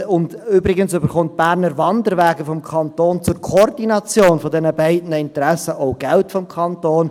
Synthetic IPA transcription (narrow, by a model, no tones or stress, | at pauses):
ʊndʏbɾɪɡənsʏbəɾχʊnt̚b̥æːɾnəɾʋɑndəɾʋæːɡəfɔmkʰɑntoːnt͡sʊɾkʰɔrd̥inɑt͡sjoːnfɔdɛnəbɛɪdnəɪntɾɛsəʔoʊɡ̥ɛltfɔmkʰɑntoːn